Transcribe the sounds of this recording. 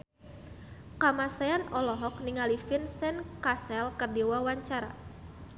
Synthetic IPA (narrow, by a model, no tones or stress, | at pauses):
kamasaanɔlɔɦɔk̚niŋalifinsɛnkasɛlkərdiwawaɲt͡ʃaɾa̰